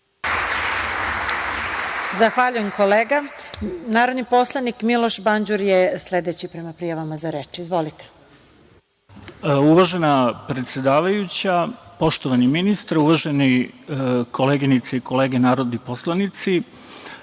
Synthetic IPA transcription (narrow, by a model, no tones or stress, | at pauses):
zaxʋaʎujemko̞leːɡanaːɾo̞d̪nipo̞slˠanikmilo̞ʃbaɲd͡ʑuɾjesle̞d̪e̞t͡ɕipɾe̞mapɾijaʋamazaɾeːt͡ʃizʋo̞lit̪e̥ | uʋaʒenapɾet̪sʲjed̪aːʋajut͡ɕapo̞ʃt̪o̞ʋaniminist̪aɾuʋaʒeni | kʰo̞leːɡinit̪seiko̞le̞ːɡenaːɾod̪nipo̞slanit̪si